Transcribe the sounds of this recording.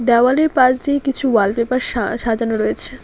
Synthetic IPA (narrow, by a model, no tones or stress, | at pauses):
d̪ɛwaleɾpad͡ʑd̪iekit͡ɕʰuwalbepaɾʃaʃad͡ʑanoɾɔet͡ɕʰe